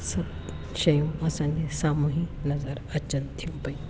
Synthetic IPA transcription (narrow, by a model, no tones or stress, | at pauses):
sɐb̚ | ʃɐjũɐsãɲd͡ʑesaːmuːɦinɐzəɾɐt͡ɕənt̪ʰijũpɐĩ